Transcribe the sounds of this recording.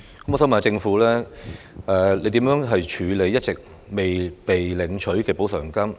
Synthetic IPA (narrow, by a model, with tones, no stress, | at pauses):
kɐ˦mɔː˨sɔː˨˥mɐ˨˩n˨˧t͡sɪ˧ŋfuː˨˥lɛː˥ | ʔɛː˧le˨˧jt̪iː˨˥mjœː˨˥ŋɦɐ˨jt͡ʃʰyː˨˧le˨˧jːɐ˥t̚t͡sɪ˨k̚ | me˨jpe˨jlɪ˨˩ŋt͡ʃʰɵ˨˥ɥkɛː˧po˨˥wsœː˨˩ŋkɐ˥m